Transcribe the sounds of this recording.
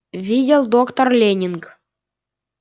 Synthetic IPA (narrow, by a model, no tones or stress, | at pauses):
vʲidʲelˠd̪okt̪orlʲenʲink